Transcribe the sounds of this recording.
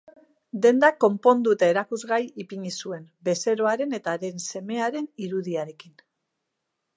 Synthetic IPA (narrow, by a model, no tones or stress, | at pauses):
d̪e̞nd̪ako̞mpo̞nd̪uet̪aeɾakuzɣajipiɲisue̞nbe̞se̞ɾo̞aɾe̞ne̞t̪aɾe̞nse̞me̞aɾe̞niɾuðiaɾe̞kin